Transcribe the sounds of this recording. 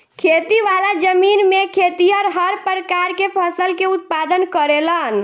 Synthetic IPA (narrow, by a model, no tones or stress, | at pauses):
kʰet̪iʋalad͡ʒəminmekʰet̪iəɾɦəɾpɾəkaɾkepʰəsəlkeut̪̚pad̪ənkəɾelən